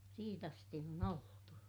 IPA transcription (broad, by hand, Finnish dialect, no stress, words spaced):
siːt ɑsti on oltu